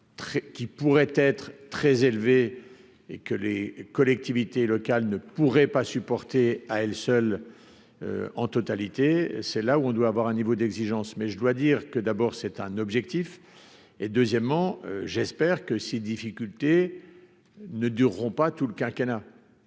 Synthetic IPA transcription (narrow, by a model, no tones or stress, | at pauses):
t̪χkʲipuʁɛt̪ɛt̪χt̪χɛzelve | ḛkəlekɔlɛk̚t̪ivit̪elɔkalnəpuʁɛpasypɔʁt̪eaɛlsœl | ø̰ɑ̰̃t̪ɔt̪alit̪esɛlauɔ̃d̪waːvwaʁɛ̃nivod̪ɛɡziʒɑ̃smɛʒəd̪wad̪iːʁkəd̪abɔːʁsɛt̪ɛ̃nɔbʒɛk̚t̪if | ed̪øzjɛmːɑ̃øʒɛspɛʁkəsed̪ifikʲylt̪e | nəd̪yʁːɔ̃pat̪uləkʲɛ̃kʲana